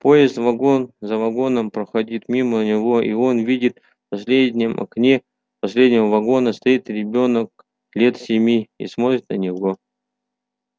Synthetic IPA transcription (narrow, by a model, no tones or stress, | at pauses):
po̞jɪst̪vɐɡo̞nzəvɐɡo̞nəmpɾəxɐdʲit̪mʲimənʲɪvo̞ʔḭo̞nvʲidʲɪt̪ | pɐsʲlʲedʲnʲɪmɐ̰knʲe | pɐsʲlʲedʲnʲɪvəvɐɡo̞nəst̪ɐit̪ɾʲɪbʲo̞nək̚ | lʲe̞t̪sʲɪmʲiḭsmo̞t̪ɾʲɪt̪nənʲɪvo̞